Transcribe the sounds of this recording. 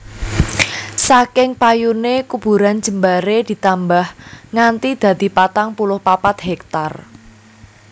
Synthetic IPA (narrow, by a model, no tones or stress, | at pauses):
sakɪŋpajunekub̥ṳɾan̥d͡ʒ̥ə̤mbaɾed̪̥i̤t̪ambahŋant̪id̪̥ä̤d̪̥i̤pat̪aŋpulʊhpapat̪̚ɦɛk̚t̪ar